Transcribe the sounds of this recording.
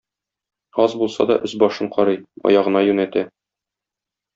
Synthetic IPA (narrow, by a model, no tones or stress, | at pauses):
ɒzbulˠsɑ̰d̪ɒ̰ʔɵzbɒʃɤɴqɒɾɤjɒ̰jɑʁɤ̆nɑjʉnæt̪æ